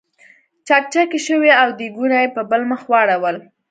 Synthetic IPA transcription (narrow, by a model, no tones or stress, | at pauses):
t͡ʃak̚t͡ʃakeʃəweawd̪iɡunajepəbəlməxwɑɽawəl